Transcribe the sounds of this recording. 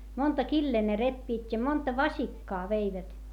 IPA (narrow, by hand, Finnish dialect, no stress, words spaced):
montɑ kilːeː ne repːiːtʲ jɑ montɑ ʋɑsikːɑː ʋeiʋæt